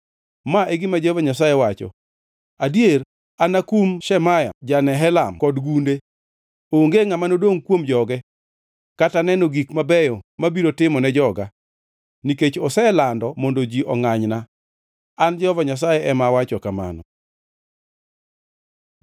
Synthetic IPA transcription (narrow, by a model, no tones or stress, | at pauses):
maʔeɡɪmad͡ʒɔvaɲasajewat͡ʃɔ̰ | adijer | anakumʃɛmaja̰d͡ʒanɛɦɛlamkɔdɡunde | oŋɡeŋamanodoŋkwomd͡ʒɔɡɛ | katanɛnoɡikmabɛjɔmabiɾotɪmɔnɛd͡ʒɔɡa | niket͡ʃɔsɛlandɔmɔndod͡ʒiʔɔŋaɲna | and͡ʒɔvaɲas̬ajɛʔɛmawat͡ʃɔkama̰nɔ̰